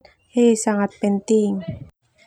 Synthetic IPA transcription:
hesaŋat̪̚pɛnt̪iŋ

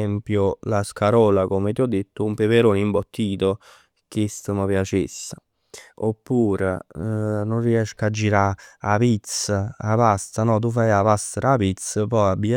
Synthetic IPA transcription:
ɛmpjolaskaɾɔːlakomet̪iɔd̪ːet̪ːʊumpepeɾoːnimbot̪ːiːt̪o | k̟est̪əməpjat͡ʃesːḁ | opːuːɾḛ | nʊnriɛʃkad͡ʒːiɾaapit̪səapast̪anɔt̪ufajapast̪əɾapit̪səpɔabːi

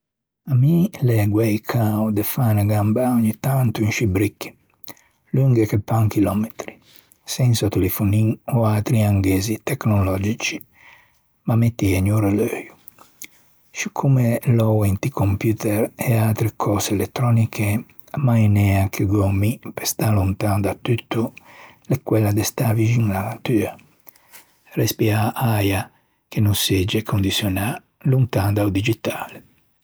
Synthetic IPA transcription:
amilɛɡwɛjkʰawd̪efanaɡambaoɲːit̪ːant̪uinʃibɾikːi̥ | luŋɡekepːaŋkilɔmet̪ɾi | sɛnsat̪elefuniɔat̪ɾiaŋɡezit̪ɛknɔlɔd͡ʒit͡ʃi̥ | mamet̪ːiɛɲuɾaløːju | ʃikʰumelɔwent̪ikʰompjut̪ɛɾɛalt̪ɾekʰɔselet̪ːɾɔnikʰe | majnɛakʰeɡɔmːipest̪alunt̪and̪at̪ːyt̪ːu | lekːwɛlːad̪est̪avid͡ʒiŋlanat̪yːa | respiaʔaja | kenused͡ʒekʰond̪isjɔna | lunt̪and̪aud̪id͡ʒit̪aːle

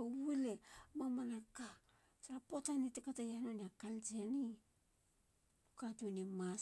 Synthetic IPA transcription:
wulemamanaka | saɾapotanitekatajanoniakalt͡ʃeani | ukatunima

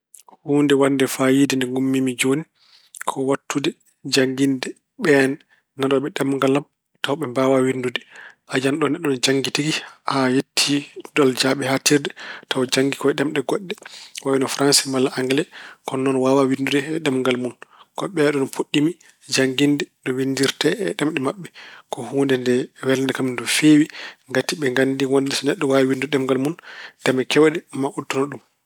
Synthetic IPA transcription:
huːndɛwandɛfajidindɛŋɡumːimid͡ʒoni | kʰɔwatʰːudɛ | d͡ʒaŋɡindɛ | ɓɛnː | aɗɔɓɛɗɛmŋɡalam | tawɓɛmbawawindudɛʔad͡ʒanɗɔnɛɗːɔnd͡ʒaŋɡitiɡihajetʰːidɔld͡ʒaɓɛhatiɾdɛtawd͡ʒaŋɡikɔɛɗɛmɗɛɡɔɗːɛwawinɔfɾansɛmalːaʔaŋɡɛlɛkɔnːɔnwawawinduɗɛɛɗɛmŋɡalmunkɔɓɛɗɔnɔpoɗːimi | d͡ʒaŋɡindɛɗɔwindiɾtɛɛ̰ɗɛmɗɛmaɓːɛkɔhuːndɛndɛwɛlnɛkamindɔfewiŋɡatːiɓɛŋɡandiwɔndɛsɔnɛɗːɔwawiwinduɗɛmɡalmund̥ɛmɛkɛwɛɗɛmaʔutːunɔɗum

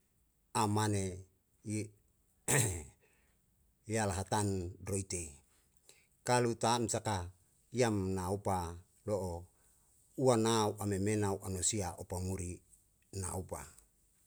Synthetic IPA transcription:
amane | jalaɦat̪andɾoit̪e | kalut̪amsaka | iamnaupa | loʔo | uanauʔamemenauʔanosiaʔopamuɾi | na̰upa̰

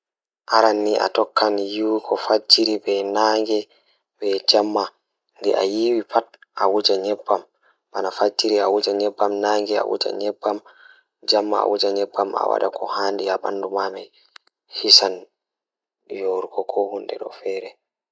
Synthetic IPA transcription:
ʔaɾanːiʔa̰tɔkːanjiwikʰɔfat͡ʃːiɾibɛnaːŋɡɛ | bɛd͡ʒamːa | ndɛʔa̰jiwipat̚ʔawud͡ʒaɲɛbːam | banafat͡ʃːiɾiawud͡ʒaɲɛbːamnaŋɡɛa̰wṵd͡ʒa̰ɲɛbːam | d͡ʒamːaa̰wud͡ʒaɲɛbːama̰wa̰ɗakʰɔhaːndiaɓa̰ndumamaj | hisan | joɾkɔkʰɔhundɛ̰ɗɔ̰fɛːɾɛ

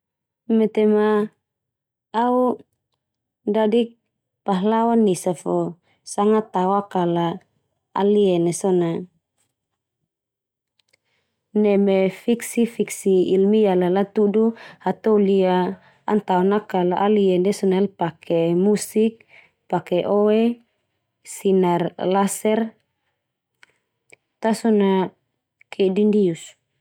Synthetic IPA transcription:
mɛt̪ema | u | dadik̚ | paɦlawanːisafɔ | saŋat̪awakala | a̰liɛnɛsɔna | nɛmefiksifiksiːlmialalat̪uduhat̪ouliaː | nt̪aonakalaʔaliɛndɛsɔnaɛlpakʰemusik̚ | pakɛʔoe | sinarlasɛr | t̪asɔna | kʰɛdindius

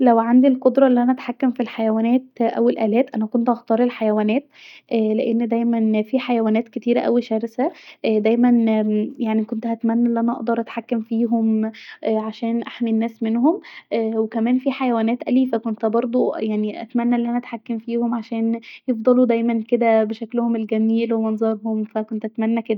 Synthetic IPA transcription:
læwʕand̪ilqod̪ɾˤɑʔelːiʔænæʔæt̪ħakːæmfilħajæwæːnæːt̪̚ʔæ̰welʔæːlæːt̪ʔænækont̪ʔɑxt̪ˤɑːɾˤelħajæwæːnæːt̪ʔleʔenːd̪æjmænfiːħajæwæːnæːt̪ket̪iːɾæʔæwiʃæːɾesæʔd̪æjmænjaʕnikont̪ʔæt̪mænːæʔelːiʔænæʔɑʔd̪ˤɑɾˤʔæt̪ħakːæmfiːɦomʔʕaʃæːnʔaħminːæːsmenhomʔwekæmæːnfiːħajæwæːnæːt̪ʔælifækont̪bɑɾˤd̪ˤujaʕniʔæ̰t̪mænːæʔlːiʔænæʔæt̪ħakːæmfiːhomʕaʃæːnjefd̪ˤɑlud̪æjmænked̪æbeʃæklhomelɡæmiːlwemɑnzˤɑɾˤhomfækont̪ʔæt̪mænːæked̪æ

